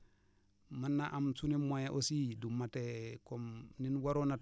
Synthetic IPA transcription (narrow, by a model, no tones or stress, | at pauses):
manːaʔamsunimojaʔosidumːatekomninwaɾona